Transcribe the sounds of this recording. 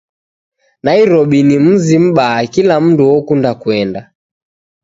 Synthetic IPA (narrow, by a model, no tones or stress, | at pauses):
naiɾɔɓinim̩zim̩ɓaːkilam̩nduɔkundakuɛnda